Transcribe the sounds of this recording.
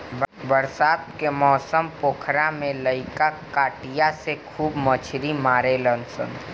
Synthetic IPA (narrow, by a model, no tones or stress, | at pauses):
bbəɾsaːt̪kemɔːsəmpoːkʰɾamẽləɪkakaːʈijasekʰuːbmət͡ʃʰɾimaːɾelənsə̰n